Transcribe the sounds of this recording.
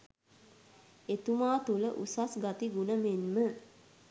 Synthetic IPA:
et̪umaːt̪uləʔusasɡat̪iɡunəmenmə

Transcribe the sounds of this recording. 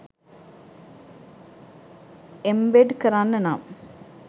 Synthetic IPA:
embeɖkɐɾaːnːɐna̰ːm

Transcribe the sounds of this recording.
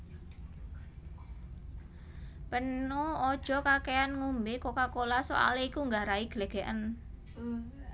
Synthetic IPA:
pənuɔd̥ʒ̥ɔ̤kakeanŋumbekokakolaso̰ʔa̰leikuŋɡaɾaiɡ̥əleɡ̥ɛʔən

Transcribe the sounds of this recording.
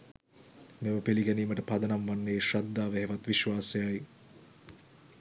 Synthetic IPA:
meməpeliɡɛniːməʈəpad̪ɐnamʋanːeːʃad̪ːaːʋeɦeʋat̪ʋiʃʋaːsejaj

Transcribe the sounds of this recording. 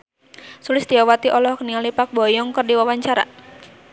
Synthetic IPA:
sulɪst̪iawat̪iʔɔlɔhkniŋalipak̚bɔjɔŋkərdiwawaɲt͡ʃaɾa̰

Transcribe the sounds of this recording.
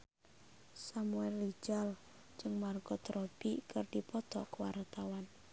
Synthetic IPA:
samuɛlːi̥d͡ʒal | d͡ʒɨŋmarɡ̥ɔt̪ɾɔb̥ikərd̥ipɔt̪ɔkwaɾt̪awan

